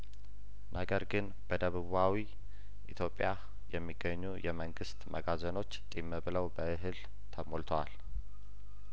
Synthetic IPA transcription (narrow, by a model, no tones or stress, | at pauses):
nʔəɡəɾɡɨn | b̥əd̪əβɨβawi | ʔit̪ʰjo̞pʼːja | jɛmːiɡːəɲːujʔɛməŋɡɨst̪mʔəɡazəno̞t͡ʃːt̪ʼimːəβɨləwbəɨɦɨl | t̪ʰəmolt̪ʰwal